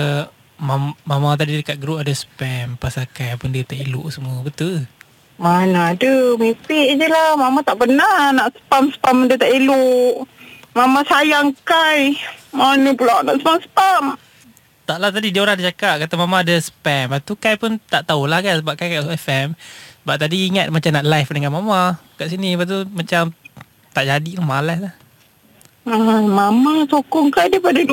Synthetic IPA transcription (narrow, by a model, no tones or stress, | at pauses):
mammamat̪̬adidəkat̪ʔ̪̚ɡɾupadasə̥pɛmpasakajpundiət̪aʔiluʔsəmuəbət̪ul | manadəmipɪʔd͡ʒəlahmamat̪aʔpənanaʔsə̥pamsə̥pamdiət̪aʔiluʔmamãsajaŋkajmanəpəlaʔnaʔsəpamsə̥pam | t̪aʔlaht̪adidiəoɾahdat͡ʃakaʔ̚kat̪amamaːdasə̥pɛmbat̪ukajpunt̪aʔt̪aulahkansəbap̚kajkaʔsuɛfɛmsəbap̚t̪adiːŋat̪̚mat͡ʃamnaʔlajfdəŋanmamakaʔsinibat̪umat͡ʃam | t̪aʔd͡ʒadilamalaslah | amamasokɔŋkajdiəpadilu